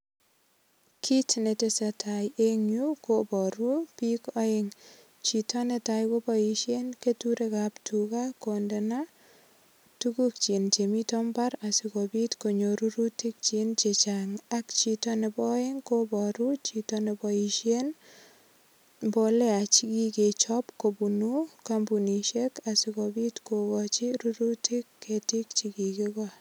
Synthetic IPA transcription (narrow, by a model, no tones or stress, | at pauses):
kʰitnetesatʰajeŋjukobɔɾupikɔeŋ | t͡ʃitɔnetajkobɔiʃenketuɾekaptʰukakondena | tukuk̚t͡ʃint͡ʃemitɔmbaɾasikobitkoɲoɾuɾutik̚t͡ʃint͡ʃet͡ʃaŋakt͡ʃitɔnɛbɔeŋkobɔɾut͡ʃitɔnɛbɔiʃjen | bɔlɛat͡ʃikiket͡ʃɔpkobunukambuniʃekasikɔbitkokɔt͡ʃiɾuɾutʰikːetik̚t͡ʃikikika